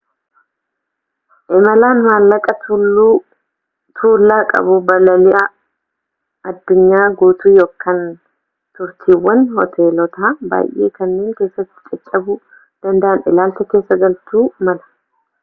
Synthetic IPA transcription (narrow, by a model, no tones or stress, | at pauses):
ʔɛmɐlaːnmaːlːɐkʼɐ | t̪ʰuːlːaːkʼɐ̰bʊbɐlɐlɪʔɐ | ɐd̪ːʊɲːaːɡuːt̪uːjo̞ːkʰːan | t̪ʊɾt̪ʰiːwːɐnhɔt̪ʰeːlɔt̪aːba̰ːjʔe̞̰ːkɐnːe̞ːŋke̞ːsːɐt̪ːɪ̥t͡ʃʼɛt͡ʃʼːɐbʊ | d̪̥ɐnd̪ɐʔɐnʔɛlaːlt̪ɛke̞ːsːɐɡɐlt̪uːmɐlɐ̥